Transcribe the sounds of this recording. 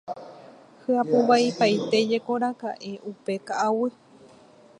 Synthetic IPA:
hɨapuβaipajt̪e̞d͡ʒe̞koɾakaʔe̞ʔupe̞kaʔawɨ

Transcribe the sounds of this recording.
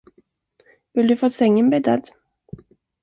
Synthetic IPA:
vɪld̪ɵfoːsɛŋːənbɛd̪a̰d̪

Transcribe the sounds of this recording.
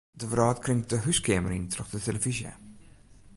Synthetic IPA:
dəvəɾɑːtkrɪŋdəɦyskeːməɾintʰrɔχdəteləvizjə̰

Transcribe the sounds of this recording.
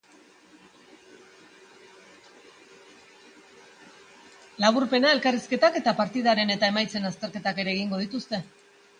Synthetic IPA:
laβ̞uɾpe̞nae̞lkariske̞t̪ake̞t̪apaɾt̪iðaɾe̞ne̞t̪ae̞majt͡se̞nast̪e̞ɾke̞t̪ake̞ɾe̞ːɣ̞iŋɡo̞ð̞it̪ust̪e̞

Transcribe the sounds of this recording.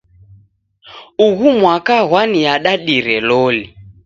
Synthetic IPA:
uɣumwakaɣwanijaɗaɗiɾɛlɔli

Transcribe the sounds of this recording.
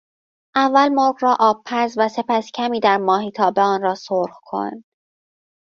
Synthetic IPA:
ʔævːælmoɾɣɾɒːʔɒːb̚pʰæɾzvæse̞pʰæscʲʰæmiːd̪æɾmɒːɦiːt̪ʰɒːbeɒːnɾɒːsoɾxkʰo̰n

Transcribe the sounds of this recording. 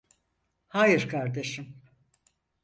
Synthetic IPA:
haːjiɾkʰaɾd̪e̞ʃim

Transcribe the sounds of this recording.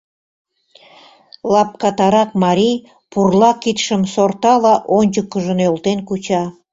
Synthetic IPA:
lɑp̚kɑt̪ɑɾɑk̚mɑɾij | purlɑkit̪ʃəmsort̪ɑlɑʔonʲt͡ɕəkːəʒənølt̪enkut͡ɕɑ

